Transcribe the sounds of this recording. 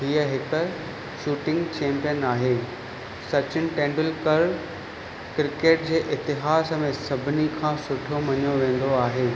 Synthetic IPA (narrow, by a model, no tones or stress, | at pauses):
ɦiəɦɪkə̆ | ʃuːʈɪ̃ŋɡt͡ɕʰẽːmpijənaːɦeː | sɐt͡ɕɪnɪ̆ʈẽːɳɖəlkɐɾ | kɾɪkeːʈ̚d͡ʑeːʔɪt̪ɪɦaːsmẽːsɐbʱɪnikʰãːsʊʈʰjomɐɲjoʋẽːnd̪oaːɦeː